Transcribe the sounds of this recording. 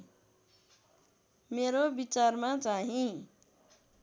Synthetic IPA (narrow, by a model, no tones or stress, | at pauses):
meɾobit͡sarmat͡saɦĩ